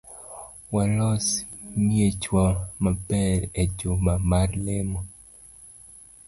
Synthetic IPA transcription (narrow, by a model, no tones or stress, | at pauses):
walɔsmiet͡ʃwamabɛɾed͡ʒomamarlɪmɔ